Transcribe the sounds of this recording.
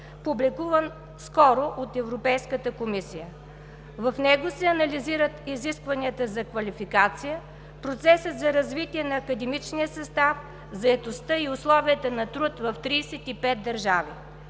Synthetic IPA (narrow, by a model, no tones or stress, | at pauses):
publikuvən | skɔɾoʔot̪ɛvɾopɛjskət̪əkomisijə | vɐfnɛɡosɛɐnɐliziɾət̪iziskvɐniət̪əzɐkvɐlifikat̪sijə | pɾot̪sɛsət̪zɐɾɐzvit̪iɛnɐːkəd̪ɛmit͡ʃnijəsɐst̪af | zɐɛt̪ost̪əiʊslˠɔviət̪ənɐt̪ɾut̪vɐft̪ɾiːsɛt̪ipɛt̪̚d̪ɐɾʒavi